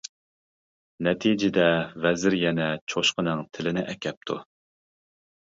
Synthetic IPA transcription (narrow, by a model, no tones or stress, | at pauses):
nɛt̪ʰid͡ʒɪd̪ɛvɛzɪɾjɛnɛt͡ʃʰoʃqənɨŋt̪ʰɪlɪnɪʔɛkʲʰɛp̚t̪ʰṵ